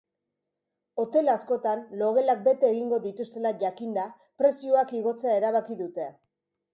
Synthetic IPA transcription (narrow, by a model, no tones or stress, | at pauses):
o̞t̪e̞lasko̞t̪anlo̞ɣe̞lak̚be̞t̪e̞ːɣiŋɡo̞ðit̪ust̪e̞laʝakind̪a | pɾe̞sioakiɣ̞o̞t͡seae̞ɾaβ̞akiðut̪e̞